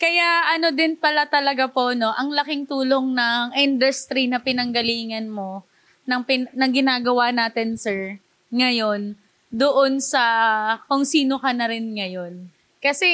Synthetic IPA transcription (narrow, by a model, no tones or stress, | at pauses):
kɐjaɐno̞d̪ɪnpɐlat̪ɐlɐɡapo̞no̞ʔɐŋlɐkɪŋt̪uːlo̞ŋnɐŋʔɪnd̪ʊst̪ɾinɐpɪnɐŋɡɐliːŋɐnmo̞ | nɐŋpɪnɐŋɡɪnaːɡɐwanaːt̪ɪnsɛɹ | ŋɐjo̞n | d̪oʔonsɐkoŋsiːno̞kɐnɐɾɪnŋɐjo̞n | kɐsɛ